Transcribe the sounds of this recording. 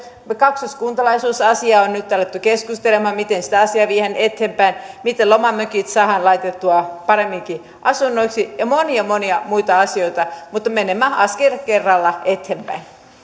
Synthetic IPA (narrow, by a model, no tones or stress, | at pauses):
mekɑksoskuːnt̪ɑlɑisuːsɑsiɑonnyt̪t̪ɑlːet̪ːykeskust̪elemɑmit̪ensi̥t̪æɑsiɑʋiːhenet̪hempæin | mit̪elomɑmøkit̪sɑːhɑnlɑit̪et̪ːuɑpɑɾemːiŋki | ʔɑsunːoiksijɑmoniɑmoniɑmuit̪ɑɑsioit̪ɑmut̪ːɑmenemːæɑskerkerːɑlːɑet̪hempæ̰in